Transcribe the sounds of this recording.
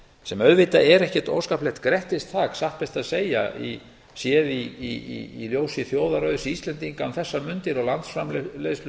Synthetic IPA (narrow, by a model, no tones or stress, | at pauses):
sɛmœðvɪːt̪aʔɛɾɛhcɛɾt̪o̰ːwskaplɛht̪kɾɛht̪ɪst̪θaːksahpɛst̪aðseːja̰ḭ | sjɛːðiiḭiljoːwsɪθjoːwðaɾœːɥðʏsiist̪lɛnt̪iŋkanθɛsːamʏnt̪ɪɾawlant̪sfɾamlles